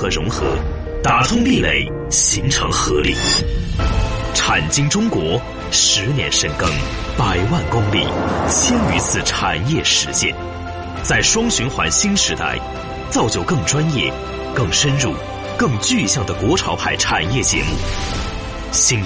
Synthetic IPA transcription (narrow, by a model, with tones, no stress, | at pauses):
xɤ˧˥ɻʊ˧˥ŋxɤ˧˥ | t̪a˧˥t̪ʰʊ˥ŋli˥˧lḛ˥˩ɪ | ɕi˧˥ŋʈ͡ʂʰɤ̰˧˥ŋxɤ˧˥lḭ˥˩ | ʈ͡ʂʰa˨˩nt͡ɕi˥ŋʈ͡ʂʊ˥ŋkwɔ˧˥ | ʂɻ̩˧˥njɛ̰˧˥nʂə˥˩nkɤ˥ŋ | pa˨˩ɪwa˥˩nkʊ˥ŋlḭ˥˩t͡ɕʰjɛ˥ny˧˥t͡sʰɹ̩˥˩ʈ͡ʂʰa˨˩njɛ˥˩ʂɻ̩˧˥t͡ɕjɛ̰˥˩n | t͡sa˥˩ɪʂwɑ˥ŋɕy˧˥nxwa̰˧˥nɕi˥nʂɻ̩˧˥t̪a̰˥˩ɪ | t͡sɑ˥˩ʊt͡ɕjo˧˥˩ʊkɤ˥˩ŋʈ͡ʂwa˥njɛ˥˩ | kɤ˥˩ŋʂə˥nɻu˥˩ | kɤ˥˧ŋt͡ɕy˥˧ɕjɑ˥˩ŋd̪ə˩kwɔ˧˥ʈ͡ʂʰɑ˧˥ʊpʰa˥˩ɪʈ͡ʂʰa˨˩njɛ˥˩t͡ɕjɛ̰˧˥mu˥˩ | ɕi˥n